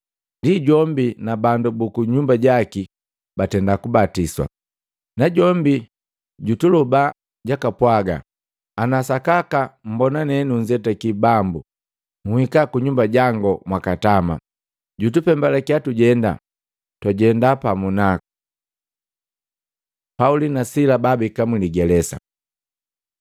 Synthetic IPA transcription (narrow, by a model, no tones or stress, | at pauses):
ndiɟɔmbinabandubukuɲumbaɟaki | batɛndakubatiswa̰ | naɟɔmbi | ɟutuluba | ɟakapwaɡa̰ | anasakakam̩bɔnanɛnuɲd͡ʒɛtakibambu | ŋuhikakuɲumbaɟaŋɡɔmwakatama̰ | ɟutupɛmbalakiatuɟɛnda̰ | twaɟɛndapamunaku | paulinasilababikamiliɡɛlɛsa̰